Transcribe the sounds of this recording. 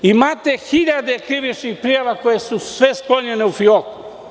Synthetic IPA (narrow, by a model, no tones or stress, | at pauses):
imaːt̪exiʎad̪ekɾiʋit͡ʃnixpɾijaʋako̞jesusʋesklo̞ɲeneufioku